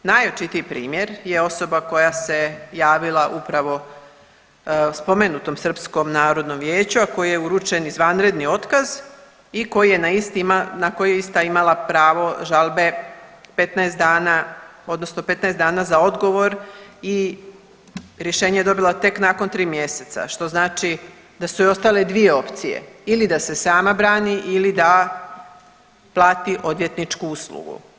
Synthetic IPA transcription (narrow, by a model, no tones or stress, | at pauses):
najot͡ʃit̪iipɾḭːmje̞ɾje̞o̞so̞bako̞jase̞jaːʋilˠaʔupɾaʋo̞ | spo̞me̞nut̪o̞msr̩psko̞mnaːɾo̞d̪no̞mʋje̞ːt͡ɕuako̞jijeuɾut͡ʃe̞nizʋanɾe̞d̪nio̞t̪kaz | iko̞jijenaist̪imanako̞jijeist̪aimalˠapɾaːʋo̞ʒalˠbe̞pe̞t̪naest̪aːnao̞d̪nosno̞pe̞t̪naesd̪aːnazao̞d̪ɡo̞ʋo̞ɾi | ɾje̞ʃeːɲejed̪o̞bilat̪e̞knaːko̞nt̪ɾiːmje̞se̞t̪sa̰ʃt̪o̞znaːt͡ʃi | d̪asuio̞st̪ale̞d̪ʋije̞o̞pt̪sijḛilid̪ase̞saːmabɾaːniʔilid̪a | plˠaːt̪iʔo̞d̪ʋje̞t̪nit͡ʃkuuslṵɡṵ